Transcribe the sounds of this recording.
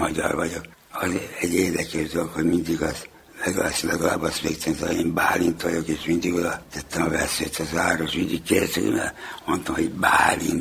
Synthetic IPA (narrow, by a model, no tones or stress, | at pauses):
mɒɟɒ̰rʋɒɟok | ɒzɛɟeːrd̪ɛkɛʒd̪olokhoɟmind̪iɡɒs | lɛɡlaːsilɛɡɒla̰ːbɒst̪ʋeːkt̪ʰɛmsɑeːmbaːlint̪ʋojokeːʃmind̪iɡod̪ɒt̪ɛt̪ːɛmɒvɛsːø̰ːt̪ʰːɑzaːɾoʃʋind̪ikkedsḛjḛmɛ̰mont̪omhoɟbaːlḭn